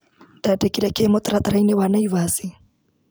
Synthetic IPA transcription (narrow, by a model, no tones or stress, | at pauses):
dadɛkiɾakemɔt̪ɾat̪ɾajnewanaiβasi